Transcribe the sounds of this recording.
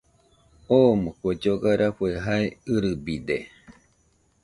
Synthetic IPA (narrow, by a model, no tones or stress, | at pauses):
omokʷed͡ʒoɡaɾaɸueɦaeɨɾɨbid̪e